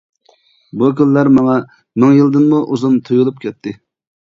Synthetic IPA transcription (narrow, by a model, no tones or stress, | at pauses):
bukʲylːæɾmɑŋɑ | mɪŋjilˠd̪ɨnmuʔuzumt̪ʰujulˠup̚kʲʰɛt̪ʰːɪ